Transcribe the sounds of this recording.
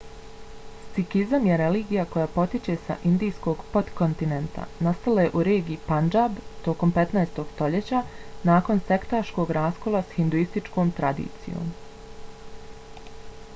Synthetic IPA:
st̪sikizamjeɾe̞liːɡijako̞jaːpo̞t̪it͡ɕe̞sa̰ʔind̪ijsko̞ɡpo̞t̪kont̪inent̪a̰nast̪alaje̞ʔuɾe̞ːɡiipand͡ʒabt̪o̞ko̞mpe̞t̪naest̪o̞ɡ̥st̪o̞ʎe̞t͡ɕanaːko̞nse̞kt̪aʃko̞ɡɾaːsko̞lˠasahind̪uist̪it͡ʃko̞ːmt̪ɾad̪ḭːt̪sḭjo̰ːm

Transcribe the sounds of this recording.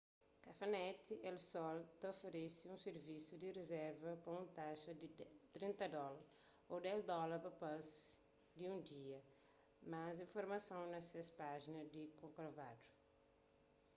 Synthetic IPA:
kɐfɐnɛt̪iʔelsɔlt̪ɐofeɾesiũseɾvisud̪irezɛɾvɐpɾɐũt̪aʃɐd̪it̪ɾĩnt̪ɐd̪ɔlɐɾ | od̪ɛzd̪ɔlɐɾpɐpɐz | d̪iũd̪iɐ | mazĩfoɾmɐsɐ̃w̃nɐsespaʒinɐd̪ikõkɾovad̪u̥

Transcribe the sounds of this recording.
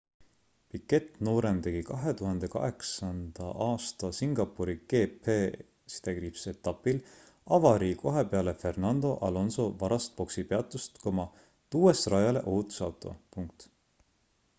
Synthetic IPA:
pikːˑe̞t̪no̞ːɾent̪e̞ɡ̥ikɑɦe̞t̪uɦɑnd̪̥e̞kɑ̰ɦe̞ksɑnd̪̥ɑʔɑːst̪ɑsiŋɡ̥ɑpːuɾiɡ̥e̞ːpe | si̥d̪̥ekripse̞t̪ːˑɑpːil | ɑvɑɾiko̞ɦepe̞ɑle̞fe̞rnɑnd̪̥o̞ʔɑlo̞nso̞vɑɾɑst̪̚po̞ksipe̞ɑt̪ːˑust̪ko̞mɑ | t̪uːesrɑjɑle̞̰ʔot̪u̥sɑwt̪ːˑo̞̰puŋk̚t̪

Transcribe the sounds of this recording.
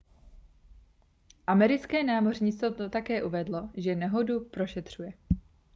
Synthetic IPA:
ʔamɛɾɪt͡skɛːnaːmo̞rɲɪt͡st̪ot̪akɛːʔuvɛdlo̞ʒɛnɛɦo̞dupɾo̞ʃɛt̪r̝̥ujɛ

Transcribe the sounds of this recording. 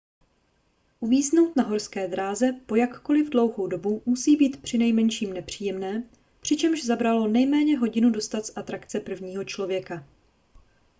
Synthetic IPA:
ʔuviːzno̞wt̪naɦo̞ɾskɛːd̪ɾaːzɛpo̞jakko̞lɪvdlo̞wɦo̞wdo̞bumusiːbiːt̪pr̝̥ɪnɛjmɛnʃiːmnɛpr̝̥iːjɛmnɛː | pr̝̥ɪt͡ʃɛmʒzabɾalo̞nɛjmɛːɲɛɦo̞ɟɪnudo̞st̪at̪zʔat̪ɾakt͡sɛpr̩vɲiːɦo̞t͡ʃlo̞vjɛka

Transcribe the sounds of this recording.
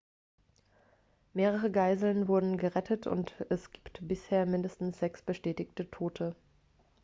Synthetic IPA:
meːʁəʁ̞əɡaɪzl̩nvʊɐdn̩ɡəʁɛtʰətʰʊ̰ntɛsɡ̥iːptb̥ɪsheːɐmɪndəstn̩sz̥ɛksb̥əʃtɛːtɪçtətʰoːtʰə

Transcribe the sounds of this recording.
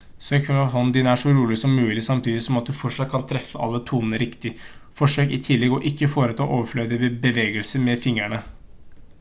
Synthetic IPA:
søːkʰɑɦɔnd̪ɪnəæʂɔɾuːlɪsɔmːʉːlɪsɑmt̪ʰiːd̪ɪsɔmɑt̪̚d̪ʉfɔʂɑt̪̚kʰɑnt̪ʰɾɛfːəʔɑ̰lːət̪ʰuːnənəɾɪkt̪ɪfɔʂøːkɪt̪ʰɪlːɛɡɔʔɪkːəfoːɾət̪ʰɑ̰ːʔoːʋəfløːd̪əbəbəʋeːɡəlsəmɛfɪŋɾæɳə

